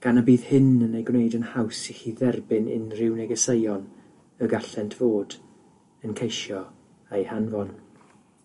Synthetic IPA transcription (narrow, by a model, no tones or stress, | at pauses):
ɡ̥anabiːð̥hɪnənejɡwnejdənhawsixiðɛrbɪnɪ̰nrɪwnɛɡəsejɔn | əɡaɬɛntʰv̥oːd | ənkʰejʃjɔ | ejhanvɔn